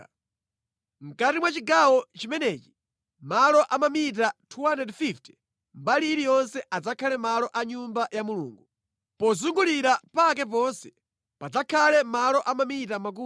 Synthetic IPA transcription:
ŋ̩katimwat͡ʃiɡawɔt͡ʃimɛnɛːt͡ʃi̥ | malɔʔamamit̬atʰuwanɛdfiftɛ | mbaliːɾijɔnsɛʔad͡zakʰalɛmalɔʔaɲumbajamulṵːŋɡu | pɔzuŋɡuliɾapak̬ɛp̬ɔnsɛ̥ | pad͡zakʰalɛmalɔʔamamit̬amak̬uː

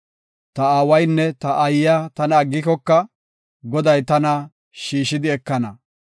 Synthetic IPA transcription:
t̪ɐaːwɐjnːɛt̪ɐʔɐjːat̪ɐnɐːɡːɪkɔkːɐ | ɡɔd̪ɐjt̪ɐnɐ | ʃiːʃɪd̪ɪɛkːɐnɐ

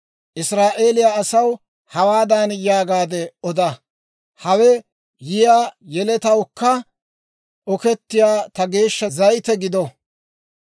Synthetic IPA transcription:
ʔɪsɾaːʔe̞ːlɪjaɐsɐw | hɐwaːd̪anjaːɡaːd̪ɛɔd̪ɐ | hɐwɛ | jɪjaːjɛlɛt̪ɐwkːɐ | ʔɔkɛt̪ːɪjaːt̪ɐɡe̞ːʃːɐzɐjt̪ɛɡɪd̪ɔ

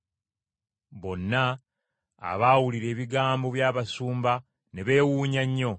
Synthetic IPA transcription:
βo̞nːa̰ː | βawuliɾe̞ːβiɡaːmbo̞βjaːβasuːmba | ne̞βe̞ːwuːɲaɲːo̞

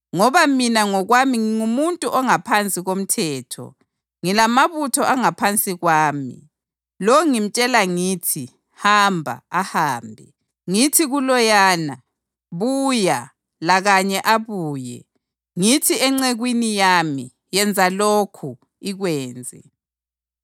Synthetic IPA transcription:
ŋɔβaminaŋɔɣwamiŋiŋumuntʼuʔɔŋapʰant͡sʼiɣom̩tʰɛːtʰɔ̰ | ŋilamaβutʰɔʔaŋapʰant͡sʼiɣwaːmḭ | lɔŋim̩t͡ʃʼɛlaŋiːtʰi | hambʱa̰ahaːmbʱɛ | ŋitʰiɣulɔjaːna | βuja | laɣaɲɛʔaβuːjɛ̰ | ŋitʰiɛŋ͡ǀɛɣwinijami | jɛnd͡zʱalokʰu | iɣwɛːnd͡zʱɛ̰

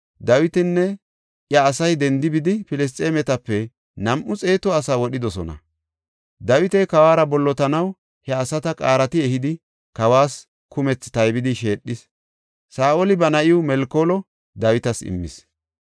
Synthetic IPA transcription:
d̪ɐwɪt̪ɪnːɛ | ʔjɐːsɐjd̪ɛnd̪ɪbɪd̪ɪfɪlɛs̬t͡sʼeːmɛt̪ɐpːɛ | nɐmʔʊt͡sʼe̞ːt̪ɔɐsaːwɔɗɪd̪ɔsɔ̰nɐ̰ | d̪ɐwɪt̪ɛkɐwaːɾɐbɔlːɔt̪ɐnɐw | hɛɐsɐt̪ɐkʼa̰ːɾɐt̪ɪɛhɪd̪ɪ | kɐwaːs | kʊmɛt͡sːt̪ɐjbɪd̪ɪʃe̞ːɗːɪs | saːʔɔlɪbɐnɐʔɪʊmɛlkoːlɔ | d̪ɐwɪt̪ɐsɪ̰mːɪ̰s

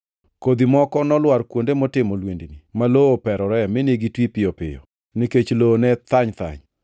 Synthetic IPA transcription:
kod̪imɔkɔnɔlwaɾkwondemɔtɪmolwendinimaloopɛɾɔɾɛmɪneɡitwipɪjɔpɪ̰jɔ̰ | niket͡ʃlonɛt̪aɲt̪a̰ɲ

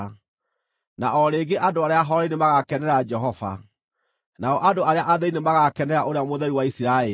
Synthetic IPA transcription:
naʔɔɾeɡeʔadoaɾeaɦɔɾinemaɣakɛnɛɾad͡ʒɛɦɔva̰ | naɔʔadoaɾeaʔaðɛinemaɣakɛnɛɾaʔoɾeamoðɛɾiwaisiɾaɛ

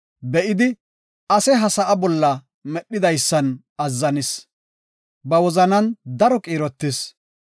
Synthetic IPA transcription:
bɛʔɪd̪ɪ | ɐsɛɦɐsɐʔɐbɔlːɐ | mɛɗːɪd̪ɐjsːɐn | ɐzːɐnɪs | bɐwɔzɐnɐnd̪ɐɾɔkʼiːɾɔt̪ːɪs

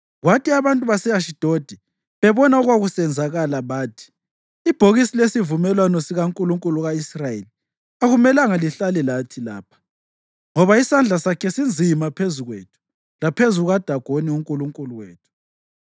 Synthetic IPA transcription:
ɣwatʰiaβantʼuβasɛaʃid̥ʱod̥ʱi | βɛβɔnaɔɣwaɣusɛnd͡zʱaɣalaβaːtʰi̥ | ib̥ʱoɣisilesivumɛlwanɔsiɣaŋkʼuluŋkʼuluɣaisrajeli | aɣumɛlaŋaliɬalɛlatʰila̰ːpʰḁ | ŋɔβaisand͡ɮʱasakʰɛsind͡zʱimapʰezuɣwḛːtʰu̥ | lapʰezuɣuɣad̥ʱaɡ̥ʱoniuŋkʼuluŋkʼuluwḛːtʰu̥

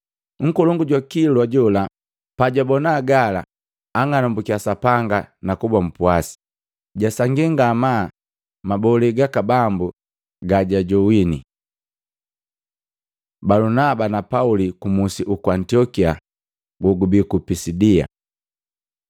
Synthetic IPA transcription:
ŋ̩kulɔŋɡuɟwakilwaɟɔla | paɟabɔnaːɡala̰ː | ŋanɔmbukiasapaŋɡanakubam̩puasi̥ | ɟasaŋɡiŋɡama | mabɔliɡakabambu | ɡaɟaɟɔwinḭ | balunabanapaulikumusiʔukuantiɔkia | ɡuɡubikupisidia̰

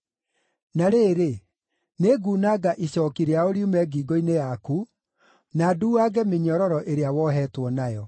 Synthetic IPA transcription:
naɾeːɾe | neɡuːnaɡaʔiɕɔːkiɾeaoɾjumɛɡiːɡoinejaku | naduaɡɛmeɲɔɾɔɾɔʔeɾeawɔɦɛːtwɔnajɔ

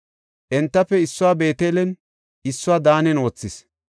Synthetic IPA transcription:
ʔɛnt̪ːɐpːɛɪsːʊwaːbe̞ːt̪eːlɛn | ɪsːʊwaːd̪aːnɛno̞ːt͡sːɪs

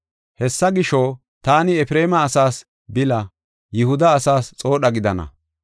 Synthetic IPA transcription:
hɛsːɐɡɪʃo | t̪aːnɪɛfɪɾe̞ːmɐːsaːs | bɪlɐ | jɪhʊd̪ɐːsaːst͡sʼo̞ːɗɐɡɪd̪ɐnɐ̰

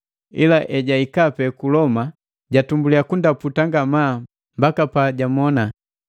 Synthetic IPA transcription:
ḭlaʔɛɟaikapɛkulɔma | ɟatumbuliakundaputaŋɡamaː | mbakapaɟamɔna

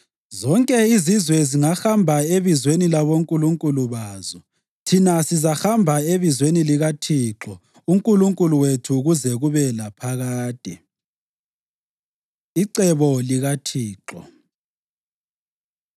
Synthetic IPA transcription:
zɔŋkʼɛizizwɛziŋaxambʱaeβizwenilaβoŋkʼuluŋkʼuluβaːzɔ | tʰinasizaxambʱaeβizweniliɣatʰiǁɔ | uŋkʼuluŋkʼuluwetʰuɣuzɛɣuβɛlapʰaɣaːtʼi | iǀɛβɔliɣatʰiːǁɔ̰

